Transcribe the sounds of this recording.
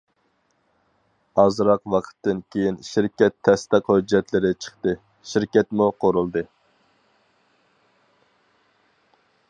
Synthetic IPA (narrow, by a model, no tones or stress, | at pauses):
ɑzɾɑqwɑqʰə̥t̪ːɪnkʲʰejinʃiɾkʲɛt̪ʰːɛst̪ɨqhød͡ʒːɛt̪lɪɾɪt͡ʃʰə̥χt̪ɨ | ʃiɾkʲɛt̪muqʰoɾulˠd̪ɨ